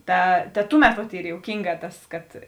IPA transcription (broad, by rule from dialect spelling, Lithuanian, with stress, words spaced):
ˈtɐ tɐ ˈtʊˌmʲɛt ʋɐt ˈiːr joːʊˈkʲiːŋˌɡɑː ˈtɐs kɐt